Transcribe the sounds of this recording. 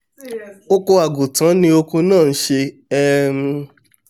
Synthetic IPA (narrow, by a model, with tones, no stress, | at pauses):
o˧ko˧a˨ɡu˨tã˨˦nĩ˧o˧kũ˧nãː˦˨n̩˦ʃe˧ | ɛ˦m˧